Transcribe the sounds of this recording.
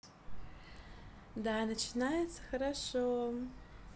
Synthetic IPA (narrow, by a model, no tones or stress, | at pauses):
daːnat͡ʃʰinajet͡sʰaxaɾaʂo